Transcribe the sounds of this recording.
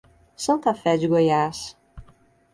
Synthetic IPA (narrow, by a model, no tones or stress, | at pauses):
sɐ̃nt̪ɐfɛd͡ʒɪɡojas